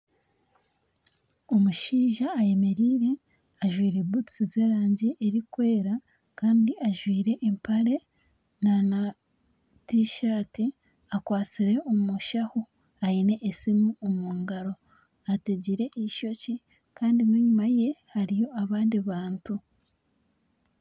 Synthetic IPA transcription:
o̞muʃiːʒaːje̞me̞ɾiːɾe̞ | aʒwiːɾe̞butsize̞ːɾaːɲɟiʔeɾikwe̞ːɾa | kaːndiʔaʒwiːɾe̞ʔːmpaɾe̞ | nana | tiʃaːti | akwaːt͡siɾe̞omuʃaho | aine̞ʔːsimuomuːŋɡaɾo̞ | ateɟiɾe̞ʔeiʃo̞ci | kaːndimiɲumaje̞haɾijo̞aβaːndiβaːntu

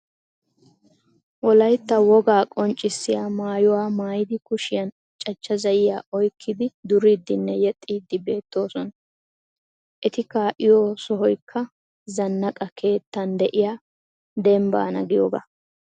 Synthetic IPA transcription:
wɔlɐjt̪ːɐwɔɡaːkʼɔnt͡ʃʼːɪsːɪjaːmaːjʊwaːmaːjɪd̪ɪkʊʃɪjɐn | t͡ʃʼɐt͡ʃːɐzɐjɪjaːʔɔjkʰːɪd̪ɪd̪ʊɾiːd̪ːɪnːɛjɛt̪ʼːiːd̪ːɪbe̞ːt̪ːo̞ːsɔn | ʔɛt̪ɪkaːʔɪjoːsɔɦɔjkʰːɐ | zɐnːɐkʼɐkʰe̞ːt̪ːɐnd̪ɛʔɪjaː | d̪ɛmba̰ːnɐ̰ɡɪjo̰ːɡɐ̰

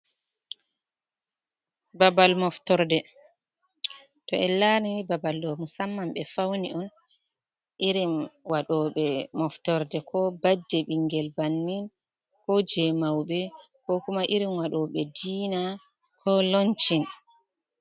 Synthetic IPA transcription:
babalmɔftɔɾdɛ | tɔɛlaniibabaldɔmusamːambɛfawniɔn | ʔiɾimwaɗɔɓɛmɔftɔɾdɛkʰɔbad͡ʒːɛɓiŋɡɛlbanːin | kɔd͡ʒɛmawɓɛ | kɔkumaʔiɾimwaɗɔɓɛdiːna | kʰɔlɔnt͡ʃin

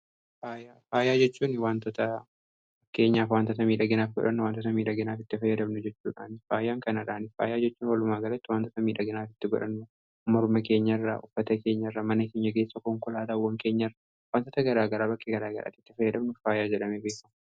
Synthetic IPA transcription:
faːjaːfaːjaːd͡ʒɛt͡ʃːuːnɪwaːnt̪ɔt̪ɐ | ɐkːe̞ːɲːaːfwaːnt̪ɔt̪ɐmiːᶑɐɡɪnaːfɡɔ̰ᶑɐnːʊwaːnt̪ɔt̪ɐmiːᶑɐɡɪnaːfɪt̪ːɪfɐjːɐd̪ɐmnʊd͡ʒɛt͡ʃːuːᶑa̰ːnɪfaːjaːŋkɐnɐᶑaːnɪa̰ːjaːd͡ʒɛt͡ʃːuːnwɐlʊmaːɡɐlɐt̪ːɪwaːnt̪ɔt̪ɐmiːᶑɐɡɪnaːfɪ̥t̪ːɪɡɔ̰ᶑɐnːʊ | mɐɾʊmɐke̞ːɲːɐrːɐʔʊfːɐt̪ɐke̞ːɲːɐrːɐmɐnɐkeːɲːɐk̬e̞ːsːɐkɔŋkʊlaːd̪aːwɐŋkeːɲːɐrːɐ | waːnt̪ɔt̪ɐɡɐɾaːɡɐɾaːbɐkʼːeɡɐɾaːɡɐ̰ɾʔa̰ːt̪ːɪ̥t̪ːɪfɐjːɐd̪ɐmnʊfaːjaːd͡ʒɛᶑɐmeːbeːkɐm

